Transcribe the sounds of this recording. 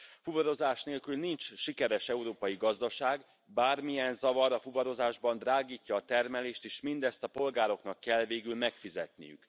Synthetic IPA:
fuvɒɾo̞zaːʃneːlkylnint͡ʃʃikɛɾɛʃɛuɾoːpɒjiɡɒzd̪ɒʃaːɡ | baːrmijɛnzɒvɒɾɒfuvɒɾo̞zaːʒbɒnd̪raːɡiːcːɒːt̪ɛrmɛleːʃt̪eːʃmind̪ɛst̪ɒpo̞lɡaːɾo̞knɒkːɛlveːɡylmɛkfizɛ̰t̪nḭjy̰k

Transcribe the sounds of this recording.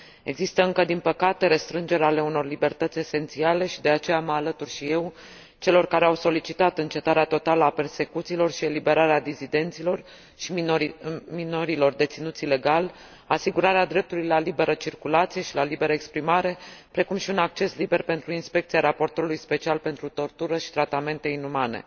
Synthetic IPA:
e̞ɡzist̪əɨŋkəd̪inpəkat̪e̞ɾe̞st̪ɾɨnd͡ʒe̞ɾeale̞uno̞rlibe̞rt̪ət̪sʲe̞se̞nt̪siale̞ʃid̪e̞at͡ʃe̞jaməalət̪urʃije̞w | t͡ʃe̞lo̞rkaɾe̞awso̞lit͡ʃit̪at̪ɨnt͡ʃe̞t̪aɾeat̪o̞t̪aləape̞rse̞kut̪silo̞rʃie̞libe̞ɾaɾead̪izid̪e̞nt̪silo̞r | ʃimino̞ɾilo̞rd̪e̞t̪sinut̪sile̞ɡal | asiɡuɾaɾead̪ɾe̞p̚t̪ulujlalibe̞ɾət͡ʃirkulat̪sije̞ʃilalibe̞ɾəekspɾimaɾe̞pɾe̞kumʃiunak̚t͡ʃe̞slibe̞rpe̞nt̪ɾuinspe̞k̚t̪siaɾapo̞rt̪o̞ɾulujspe̞t͡ʃialpe̞nt̪ɾut̪o̞rt̪uɾəʃi̥t̪ɾat̪ame̞nt̪e̞inumane̞̰

